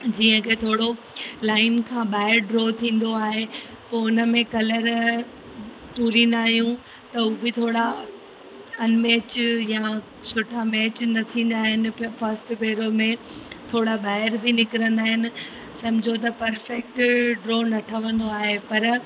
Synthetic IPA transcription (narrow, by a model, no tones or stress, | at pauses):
d͡ʑiːə̃kʰeːt̪ʰoːɽo | laːɪnkʰãːɓaːɪɾɖɾoːt̪ʰĩːn̆d̪oaːɦe | poːʊnəmẽkɐləɾ | puːɾinaːɦjũ | t̪ɐubɪt̪ʰoːɽa | ɐnmɛːt͡ɕjã | sʊʈʰamɛːt͡ɕnɐt̪ʰĩːnd̪aːɦɪnɪ̆fɐɾsʈbeːɾomẽt̪ʰoːɽabaːɪəɾbʱinɪkɪɾə̃nd̪aːɦɪnɪ̆ | sɐ̃mɪd͡ʑʱot̪̬ɐpɐɾfɛk̚ʈɖɾoːnɐʈʰəʋə̃nd̪oaːɦepɐɾ